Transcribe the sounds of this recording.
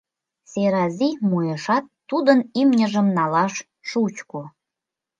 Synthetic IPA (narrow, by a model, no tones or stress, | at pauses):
seɾɑzʲimujəʃɑt̪ːud̪ənimnʲəʒə̆mnɑlɑʃ | ʃut͡ɕko